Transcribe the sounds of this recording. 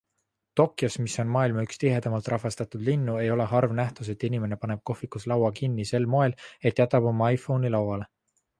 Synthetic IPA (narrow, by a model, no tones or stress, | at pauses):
t̪o̞kːˑjosmiso̞nmɑːilmɑykst̪iɦe̞d̪̥ɑmɑlt̪ˑrʔɑɦvest̪ɑt̪ud̪̥linːue̞jo̞le̞ɦɑrvnæht̪us̬e̞t̪ːˑinime̞ne̞pɑne̞b̥̚ko̞fikuslɑwɑkinːise̞lmo̞e̞le̞t̪ːˑjæt̪ːˑɑbo̞mːɑɑjfo̞wnilɑwwɑle